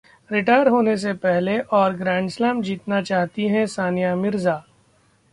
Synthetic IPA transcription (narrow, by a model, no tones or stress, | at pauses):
ɾɪʈaːjəɾɦoːnes̬epɛɦleʔɔːɾɡɾɛ̃ːɳɖslɛ̃ːmd͡ʒiːt̪nat͡ʃaːɦt̪iɦɛ̃saːnijamɪɾzaː